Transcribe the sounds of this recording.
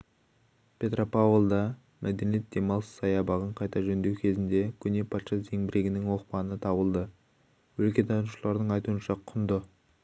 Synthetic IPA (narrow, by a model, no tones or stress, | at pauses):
pʲʰe̞t̪rʔo̞pavlˠd̪ɑ | mʔæd̪enijet̪̚d̪e̞mɑlˠsə̥zɑjɑbɑʁəɴqʰɑjt̪ɑʒɵnd̪e̞wkʲʰe̞zɪnd̪e̞kʲʰʏne̞pʰɑt̪ʃɑt̪ze̞ŋbɪɾʔe̞ɡʲɪnɪŋwo̞qpɑnət̪ʰɑbəlˠd̪ə | wɵlkʲe̞t̪ʰɑnuʃəlˠɑɾd̪əɴɑjt̪uənʃɑqʰʊnd̪ə